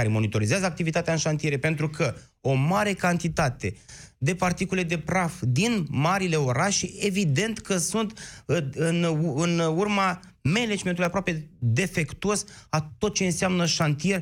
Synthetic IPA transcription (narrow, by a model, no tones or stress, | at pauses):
aɾemo̞nit̪o̞ɾizeazəak̚t̪ivit̪at̪eaɨnʃant̪ije̞ɾepe̞nt̪ɾukʰə | omaɾe̞kant̪it̪at̪e̞d̪e̞part̪ikule̞d̪e̞pɾafd̪inmaɾile̞o̞ɾaʃee̞vid̪e̞nt̪kəsunt̪ɨnɨnurma | me̞ned͡ʒme̞nt̪ulijapɾoape̞d̪e̞fe̞kt̪uosat̪o̞t̪̚t͡ʃe̞ɨnseamnəʃant̪ije̞r